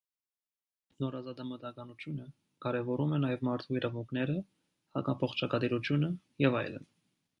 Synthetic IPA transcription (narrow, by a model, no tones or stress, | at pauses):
nɔɾɑzɑd̪ɑmət̪ɑkɑnut͡ʃ̪ʰjunə | kɑɾɛvɔɾumɛnɑjɛvmɑɾt̪ʰuiɾɑvuŋkʰnɛɾə | hɑkɑpʰɔχt͡ʃʰɑkɑd̪iɾut͡ʃʰjunə | jɛvɑ̰jlə̰n